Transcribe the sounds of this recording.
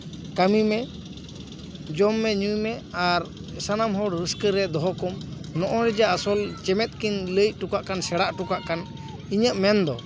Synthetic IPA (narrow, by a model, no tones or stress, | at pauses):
kamimɛ | d͡ʒɔmːɛɲujmɛaɾsanamɦɔɽɾəskəɾɛd̪ɔɦɔkɔmnɔʔɔɾɛd͡ʒaasɔlt͡ʃɛmɛt̪̚kinləc̚ˀʈukaʔkansɛɽaʔʈukaʔkan | iɲəʔmɛnd̪ɔ